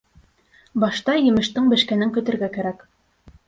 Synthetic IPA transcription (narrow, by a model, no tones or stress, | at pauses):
bɑʃt̪ɑjɘ̆mɘ̆ʃt̪ɘɴbɘ̆ʃkænɘŋkɵ̆t̪ɘ̆ɾɡækæɾæk